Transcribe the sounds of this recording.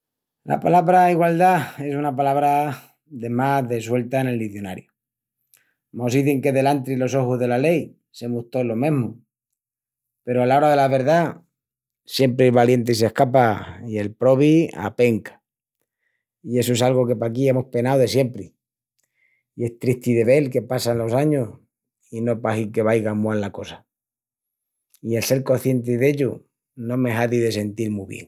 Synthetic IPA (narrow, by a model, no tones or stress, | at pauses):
la̰palaβɾaiɣwald̪ae̞sunap̬alaβɾa | ðe̞maðe̞swe̞lt̪aene̞lːiθjo̞na̰ɾjo | mo̞siθeŋke̞ðe̞lant̪ɾilo̞so̞xuzðe̞lale̞j | se̞mut̪olo̞mẽ̞ɦmo | pe̞ɾoalao̞ɾaðe̞laβe̞ɾða | sje̞mpɾeeβalje̞nt̪̬eis̬e̞hkap̬aie̞lpɾo̞βia̰pe̞ŋkḁ | ie̞soe̞salɣo̞ke̞pak̬ie̞mo̞hpe̞nawðe̞sje̞mpɾi | ie̞st̪ɾiht̪iðe̞βe̞lke̞pasanlo̞saɲos | ino̞pahike̞β̞ajɣamwallako̞sḁ | ielse̞ɾko̞θje̞nt̪̬iðe̞ʎu | nõ̞me̞ɦaðiðe̞se̞nt̪iɾmuβje̞̰ŋ